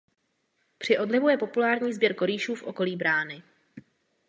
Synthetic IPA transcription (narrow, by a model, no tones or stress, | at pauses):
pr̝̥ɪʔo̞dlɪvujɛpo̞pulaːɾɲiːzbjɛɾko̞ɾiːʃuːfʔo̞ko̞liːbɾaːnɪ